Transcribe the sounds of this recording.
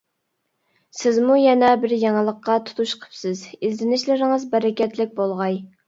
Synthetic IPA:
sɪzmujɛnɛbɪɾjɑŋəlˠəqːɑt̪ʰu̥t̪ʰuʃqʰə̥psɪzizɪnɪʃlɪɾɪŋəzbɛɾɛkʲɛt̪lɪk̚ʲbolˠʁɑj

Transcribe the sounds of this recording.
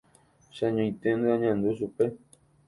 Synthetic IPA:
ʃaɲõj̃t̪end̪eãɲãnd̪uʃupe̞

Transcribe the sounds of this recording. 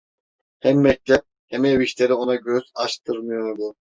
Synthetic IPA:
hɛmːɛc̚t̪ʰɛp̚ | hɛmeviʃleɾio̞nɑɟøz̥ɑʃt̪ʰɯɾmɯjoɾb̪u

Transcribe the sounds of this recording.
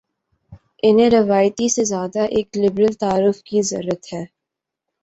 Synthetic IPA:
ɪnẽɾɪʋaːjt̪isezjaːd̪aʔeːklɪbɾəlt̪aːɾʊfkizɐ̰ɾːɾət̪hɛː

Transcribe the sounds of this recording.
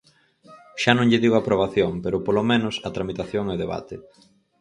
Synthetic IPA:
ʃanõŋʎɪðiɣoapɾoβaθjoŋpeɾʊpolomẽnʊsɐt̪ɾamit̪aθjoŋeoðeβa̰t̪e

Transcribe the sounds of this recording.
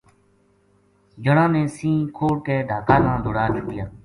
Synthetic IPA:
d͡ʒəɽãːnẽːsĩːkʰoːɽkeːɖʱaːkaːnãːd̪ʱoɽaːt͡ʃʰʊpɪjaː

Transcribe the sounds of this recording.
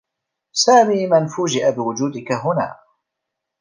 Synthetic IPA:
saːmiːmanfuːd͡ʒɪʔabɪwʊd͡ʒuːd̪ɪkaɦʊna̰ː

